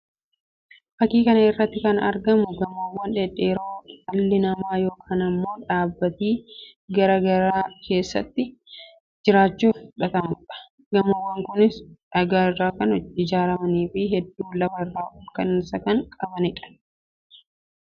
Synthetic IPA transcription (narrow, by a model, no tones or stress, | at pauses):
fɐkiːkɐnɐɪrːɐt̪ːɪkɐnɐ̰ɾɡɐmʊɡɐmɐwːɐnᶑɛᶑeːɾoːɐlːɪnɐmaːjo̞ːkʰaːnɐmːo̞ːᶑaːbːɐt̪iː | ɡɐɾɐɡɐɾaːkʰe̞ːsːɐ̰t̪ːɪ | d͡ʒɪɾaːt͡ʃːuːfhʊᶑɐt̪ɐmʊᶑɐ̥ | ɡɐmɐwːɐŋkʊnɪsᶑɐɡaːɪrːaːkɐnɪd͡ʒaːɾɐmɐniːfɪɦɛd̪ːuːlɐfɐrːaːʊkɐnɪnsɐkɐŋkʼɐbɐnɪᶑɐ̥